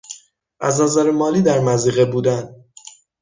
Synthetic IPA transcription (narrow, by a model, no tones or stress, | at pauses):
ʔæznæzæɾemɒːliːd̪æɾmæziːɣebuːd̪æn